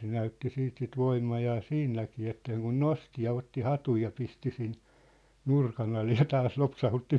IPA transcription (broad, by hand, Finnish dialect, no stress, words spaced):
se næytːi siːt sit ʋoimːɑjɑː siːnːækiː etːæ̆ seŋkun nosti jɑ otːi hɑtuj jɑ pisti sin nurkɑn ɑle jɑ tɑːs lopsɑhutːi